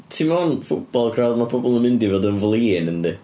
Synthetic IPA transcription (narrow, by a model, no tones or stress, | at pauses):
tʰimanfʊb̥ɔlˠkʰrawdmapʰɔbɔlˠəmɪndivɔdənvlˠiːɪnənd̪ɪ